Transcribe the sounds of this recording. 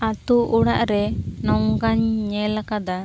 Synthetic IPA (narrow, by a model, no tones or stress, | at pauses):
at̪uʔːɽaʔɾɛnɔŋɡaɲɲɛlakad̪a